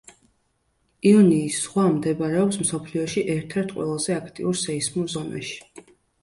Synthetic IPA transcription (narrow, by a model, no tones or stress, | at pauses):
iɔniːsːʁwamd̪ɛbaɾɛɔpsmsɔpʰliɔʃiʔɛɾt̪ʰɛɾt̪ʰqʼwɛ̰lˠazɛakʰt̪ʼḭuɾsɛismuɾzɔna̰ʃi̥